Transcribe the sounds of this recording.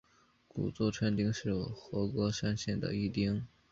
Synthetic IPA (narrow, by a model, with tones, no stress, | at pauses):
kṵ˨˩t͡swɔ˥˩ʈ͡ʂʰa˥nt̪i˥ŋʂɻ̩˥˩xwɔ˧˥kwɔ˥ʂa˥nɕjɛ˥˩nd̪ə̰˩i˥˩t̪i˥ŋ